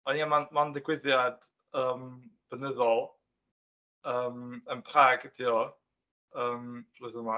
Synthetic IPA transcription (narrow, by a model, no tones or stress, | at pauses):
ɔniamanmandɪɡwɪðjad̥ | əːmb̥ənəðɔlˠ | əːmənpʰraːɡdʰiːɔ | əːmroðəma